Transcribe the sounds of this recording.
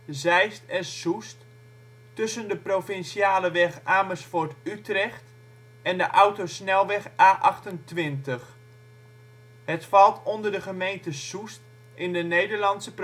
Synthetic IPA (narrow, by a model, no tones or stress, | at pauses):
zɛjstɛnsust | tɵsəndəprofɪnsiaːləʋɛxaːməsfʊɹtytrɛxt | ɛndəʔawtosnɛlˠʋɛxaːʔɑxtəntʋɪntəx | hətfɑlˠtʰondərdəχəmejntəsust | ʔɪndənejdəɹlɑnsəp